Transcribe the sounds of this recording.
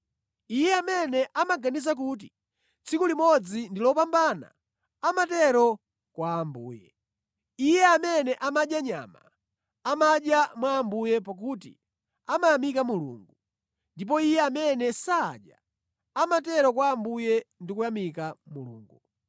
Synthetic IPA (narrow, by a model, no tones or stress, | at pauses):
ijɛamɛnɛʔamaɡanis̬ak̬ut̬i | t͡sʰikulimɔd͡zindilɔpambana̰ː | matɛɾɔ | kwaːmbuːjɛ̰ | ijɛamɛnɛʔamaɗjaɲa̰ma̰ | amaɗjamwaːmbujɛpak̬utḭ | amajamikamulṵːŋɡu | ndip̬ɔijɛamɛnɛsa̰ːɗja̰ | amatɛɾɔk̬waːmbujɛndikujamikamulṵːŋɡu